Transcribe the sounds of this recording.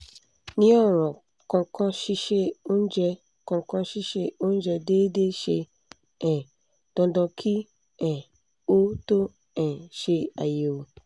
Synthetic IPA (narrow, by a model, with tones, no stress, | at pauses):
nĩ˦ɔ̃˦ɾ̃ɔ̃˨ | kɔ̃˨kɔ̃˦ʃi˦ʃe˦o˦n̩˦d͡ʒɛ˦ | kɔ̃˨kɔ̃˦ʃi˦ʃe˦o˦n̩˦d͡ʒɛ˨deː˦de˦ʃe˦ | ɛ̃˨ | d̥ɔ̃˨dɔ̃˨kʰi˦ | ɛ̃˨ | wo˦to˦ | ɛ̃˨ʃe˦a˨je˨wo˨